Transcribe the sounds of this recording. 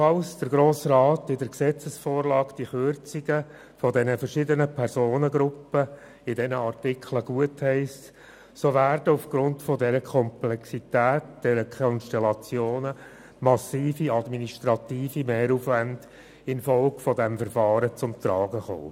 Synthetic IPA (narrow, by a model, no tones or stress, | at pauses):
fɑlsd̥əɾɡɾoːsrɑːtɪdəɾksɛt͡səsfoːɾlɑːkd̥iχʏɾt͡siɡə | fɔdɛnəfəɾʃɪdənəpʰɛɾzoːnəɡɾʊpːə | ɪdɛnəɑrtɪkʰləɡ̥uəthɛɪst | soʋæːrdəʊfɡ̥ɾʊntfɔdɛɾəkʰɔmplɛksitæːtd̥ɛɾəkʰɔnʃtɛlɑt͡sjoːnə | mɑsiːfiɑdminiʃt̪ɾɑt̪iːfimɛːɾufʋænd̥ | ɪnfɔlkfɔdɛmfəɾfɑːɾət͡sʊmt̪ɾɑːɡəχo̰ː